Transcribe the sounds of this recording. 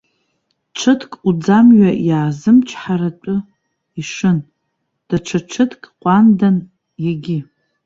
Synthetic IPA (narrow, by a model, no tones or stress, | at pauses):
ʈ͡ʂʷʰɨtʰkʼud͡zamɥajaːzɨmt͡ʃʷʰħaɾat͡ʃʷʼʊ | iʂɨn | d̥aʈ͡ʂʷʰaʈ͡ʂʰɨtʰkʼqʷʼandan | jaɡʲɪ